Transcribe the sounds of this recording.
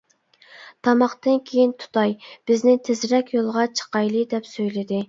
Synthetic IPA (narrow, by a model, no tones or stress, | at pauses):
t̪ʰɑmɑχt̪ɨnkʲʰejint̪ʰu̥t̪ɑjb̥ɪznɪt̪ʰɪzɾɛkʲjolˠʁɑt͡ʃʰə̥qɑjlˠɨd̪ɛpsøjlɪd̪ɪ